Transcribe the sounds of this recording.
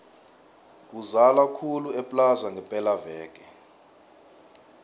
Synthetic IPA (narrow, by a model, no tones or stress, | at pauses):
k̬uzalakʰuluɛpʼlazaŋɡʱɛpʼɛlavɛːk̬ʼɛ